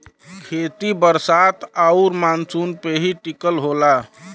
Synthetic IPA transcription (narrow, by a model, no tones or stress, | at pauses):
kʰet̪ibəɾsat̪ʰauɾmansunpeɦiʈikəlɦola